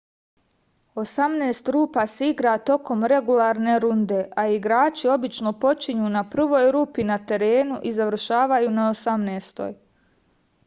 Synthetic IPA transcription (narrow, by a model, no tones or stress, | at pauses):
o̞samneːst̪ɾuːpaseiɡɾat̪o̞ko̞mɾe̞ɡulˠaɾne̞ɾund̪e̞ʔaiɡɾaːt͡ʃio̞bit͡ʃno̞po̞t͡ʃiɲuːnapr̩ʋo̞ːjɾuːpinat̪e̞ɾe̞ːnuʔizaʋr̩ʃaːʋajuːnaosamneːst̪o̞̰j